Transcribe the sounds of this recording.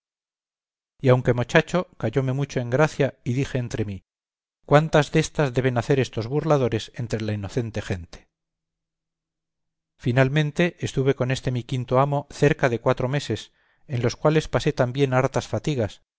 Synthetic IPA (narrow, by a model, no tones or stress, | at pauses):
iawŋke̞mo̞t͡ʃat͡ʃo̞kaʝo̞me̞mut͡ʃo̞eŋɡɾaθjaiðixe̞ːnt̪ɾe̞mi | kwant̪azðe̞st̪azðe̞β̞e̞naθe̞ɾe̞st̪o̞zβuɾlaðo̞ɾe̞se̞nt̪ɾe̞laino̞θe̞nt̪e̞xe̞nt̪e̥ | finalmẽ̞nt̪e̞ʔːst̪uβe̞ko̞ne̞st̪e̞mikint̪o̞amo̞θe̞ɾkaðe̞kwat̪ɾo̞me̞se̞s | e̞nlo̞skwale̞spase̞t̪ambje̞naɾt̪asfat̪iɣas